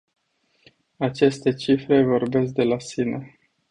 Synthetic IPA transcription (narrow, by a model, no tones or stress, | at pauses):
at͡ʃe̞st̪e̞t͡ʃifɾe̞vo̞rbe̞s̬k̚d̪e̞lasine̞